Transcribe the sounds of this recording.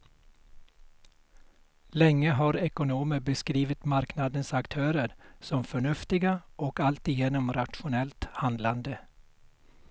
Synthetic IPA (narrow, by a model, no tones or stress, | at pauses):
lɛŋːəɦɑːɾɛkʊnuːməbəskɾiːʋət̪maɾknɑd̪ənsakt̪ʰøːɾəɾsɔmfœɳʉft̪ɪɡaʔɔkalt̪ɪjeːnɔmɾat̪ʃʊnɛlt̪hɑnd̪land̪ə